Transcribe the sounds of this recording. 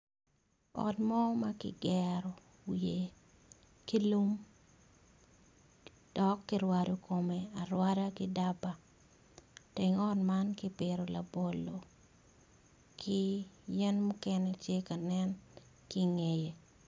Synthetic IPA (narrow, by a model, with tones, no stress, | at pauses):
ɔ̰˨tmɔ˦makɪ̰˦ɡɛɾɔ˨ | wje˨ | ki˦lu˦m | d̥ɔ˨kːɪɾwa˨do˨ko˨me˨a˨ɾwada˦kɪda˦ba˨ | tɪ˨ŋɔ˦tmankɪpɪɾo˨la̰˨bo˨lo˨ | kʰɪjɛ˦nmu˦kɛnɛtje˦ka˨nɛ˦n | kɪŋe˨je˨